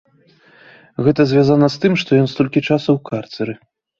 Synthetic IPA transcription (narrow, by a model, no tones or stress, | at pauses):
ɣɛt̪ɐzʲvʲazanɐst̪ɨmʂt̪ɔjɔnst̪ɔlʲkʲit͡ʂasɐwkart̪sɛɾɨ